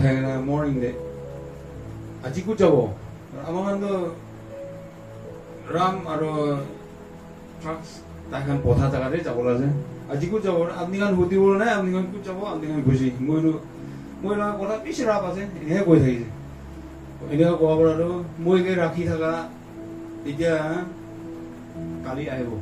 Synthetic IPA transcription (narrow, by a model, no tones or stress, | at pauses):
tʰaŋnamɔɹniŋdɛ | azikutzabɔ | aɔ̰amakʰantɔ | ɹamaɹu | tɹaks | tajkʰanpɔtʰatakaɾɛzabɔlazɛazikut̚zabɔap̚nikʰanhutibɔlnajap̚nikʰankut̚zaβɔapnikʰankujs̬imojɾɔ | mojlakakɔtʰabisɹapasɛɛnɛkɛkɔjtʰakisɛ | ɛnɛkʰɔkɔwapɔɹaɾɔmojkejɹakʰitʰaka | itija | kaliaɦibɔ